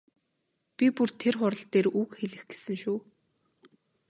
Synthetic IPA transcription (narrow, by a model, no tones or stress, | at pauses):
pʲipurt̪ʰerχʊɾə̆ɬt̪eːɾuːkxeɮɘ̆xɡ̥e̥sɘ̆ŋʃuː